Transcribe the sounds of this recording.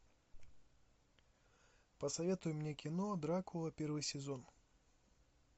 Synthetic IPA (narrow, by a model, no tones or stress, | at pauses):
pɐsɐvʲet̪ʊjʊmnʲeɛkʲɪnɔd̪ɾakʊlˠɐpʲɛrvɨjsʲɪzɔn